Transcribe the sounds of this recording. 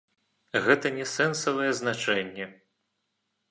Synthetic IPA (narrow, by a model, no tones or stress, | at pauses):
ɣɛt̪ɐnʲɛsɛnsɐvɐjɛznat͡ʂɛnʲːɛ